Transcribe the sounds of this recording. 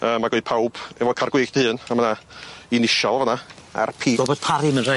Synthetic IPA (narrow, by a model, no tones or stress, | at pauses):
əːmaɡɔɨ̥pʰawb̥ɛvɔkʰarɡwɪɡd̥əhɨːnamanainɪʃɔlˠavɔnaa̰rpʰiːɡɔbɔd̥̚pʰaɾɪmənra